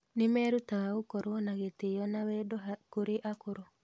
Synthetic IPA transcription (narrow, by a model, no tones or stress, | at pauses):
nemɛɾutawaokɔɾoɔnaɣetejɔnawɛdɔakoɾeʔakoɾo